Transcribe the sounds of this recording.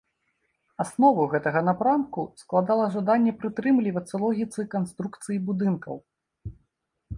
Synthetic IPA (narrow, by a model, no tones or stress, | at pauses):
asnɔvɐɣɛt̪ɐɣɐnapɾamkusklˠad̪alˠɐʐad̪anʲːɛpɾɨt̪ɾɨmlʲivɐt̪sːɐlˠɔɣʲit̪sɨkanst̪ɾukt̪sɨjibud̪ɨnkɐ̰w